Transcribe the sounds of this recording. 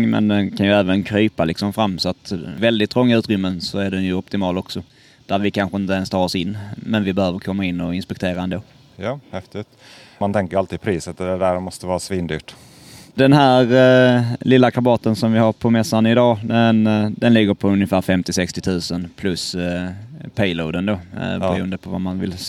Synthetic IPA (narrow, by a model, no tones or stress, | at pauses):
mɛ̰nd̪ɛnkʰanjɵæːvənkʰɾyːpalɪksɔmfɾamːsɔat̪vɛld̪ɪt̪ːɾɔŋːaʉ̟ːt̪ɾʏmːənsɔæɖɛnjɵɔpt̪ɪmɑːlɔksɔ | d̪̥æɾvɪkʰanɧəɪnt̪əɛnst̪ɑːɾɔsɪnːmɛnvɪbɛhøːvəɾkʰɔmːaɪnːɔɪnspɛk̚t̪ʰeːɾaɛnd̪oː | jɑːhɛft̪ɪt̪ | mant̪ʰɛŋkəɾalt̪iːd̪pʰɾiːsət̪d̪ɛd̪æɾmɔst̪əvɑːɾasviːnd̪y̰ːʈ | d̪̥ɛnɦæːɾ | lɪlːakʰabɑːt̪ənsɔmvɪhaɾpʰɔmɛsːanɪd̪ɑːd̪ɛnd̪ɛnlɪɡːəɾpʰɔɵnjəfæːɾfɛmt̪ɪsɛkst̪ɪt̪ʰʉ̟ːsənpʰlɵs | pʰɛjloːd̪ənd̪oːbɛɾuːənd̪əpʰɔva̰manvɪ̰l